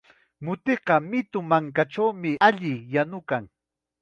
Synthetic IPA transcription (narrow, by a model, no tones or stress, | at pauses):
mʊt̪eqɑmɪt̪ʊmaŋkaʈ͡ʂawmɪaʎɪjanʊkaŋ